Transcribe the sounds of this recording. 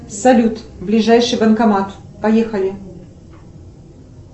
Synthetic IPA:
sɐlʲut̪blʲɪʐajʂɨjbənkɐmat̪pɐjexəlʲɪ

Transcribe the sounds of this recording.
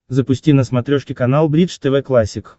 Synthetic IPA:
zɐpʊsʲtʲinɐsmɐt̪ɾʲɔʃkʲikɐnalˠbɾʲid̪ʂt̪ɛʋɛklˠasʲik

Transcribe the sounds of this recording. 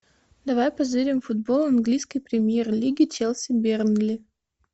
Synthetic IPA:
d̪ɐvajpɐzɨɾʲɪmfʊd̪̚bolˠɐnɡlʲijskəjpɾʲɪmʲjerlʲiɡʲɪt͡ɕelˠsʲɪbʲernlʲɪ

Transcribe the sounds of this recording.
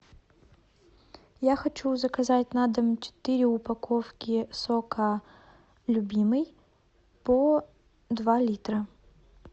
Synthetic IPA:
jaxɐt͡ɕuzəkɐzatʲnad̪əmt͡ɕɪ̥t̪ɨɾʲɪʊpɐkofkʲɪsokə | lʲʊbʲimɨj | po | d̪valʲit̪ɾə

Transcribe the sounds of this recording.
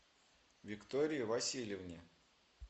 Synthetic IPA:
vʲɪkt̪oɾʲɪjɪvɐsʲilʲjɪvnʲɪ

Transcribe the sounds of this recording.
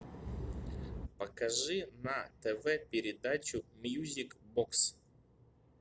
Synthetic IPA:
pəkɐʐɨnɐt̪ɛvɛpʲɪɾʲɪd̪at͡ɕʊmjuzʲɪkboks

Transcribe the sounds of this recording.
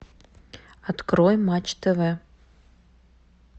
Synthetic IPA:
ɐt̪kɾojmat͡ɕt̪əvɛ

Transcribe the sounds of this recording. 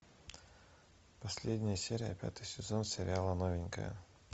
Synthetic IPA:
pɐsʲlʲed̪ʲnʲɪjəsʲeɾʲɪjəpʲa̰t̪ɨjsʲɪzonsʲɪɾʲɪalˠənovʲɪnʲkə̰jə̰

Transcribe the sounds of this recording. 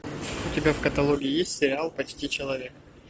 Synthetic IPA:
ʊtʲɪbʲafkət̪ɐlˠoɡʲɪɪjesʲtʲsʲɪɾʲɪalˠpɐt͡ɕtʲit͡ɕɪlˠɐvʲe̞k

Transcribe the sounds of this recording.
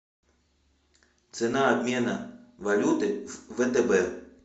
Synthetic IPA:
t̪sɛnaːbʲmʲɛnɐʋɐlʲut̪ɪʋɛt̪ɛbɛ

